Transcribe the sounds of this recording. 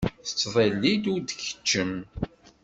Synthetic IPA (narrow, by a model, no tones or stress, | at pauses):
θət͡sːvˤelːid̪uɾd̪çə̥t͡ʃːəm